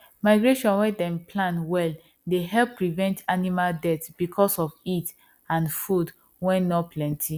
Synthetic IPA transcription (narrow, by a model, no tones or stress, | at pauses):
maɪɡɹeʃɔ̃nwɛdɛ̃mpʰlãnwɛl | deɦɛlpːɹivɛ̃ntʰanimaldɛtb̥ikʰɔsɔvit | ãnfud | wɛ̃nːɔpʰlɛ̃ntʰi